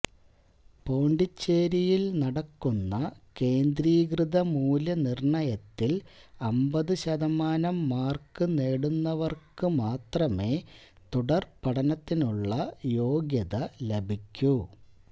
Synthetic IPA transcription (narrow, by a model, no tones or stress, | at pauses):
po̞ːɳɖit͡ɕːeːɾijilnɐɽɐkːunːɐke̞ːnd̪ɾiːɡrɨðɐmuːlɐnirɳɐjɐt̪ːilɐmbɐðɨɕɐðɐmaːnɐmːaːrkɨneːɽunːɐʋɐrkɨmaːt̪rɐme̞ː | t̪uɽɐrpɐɽɐnɐt̪ːinuɭːɐjo̞ːɡjɐðɐlebʱikʲːu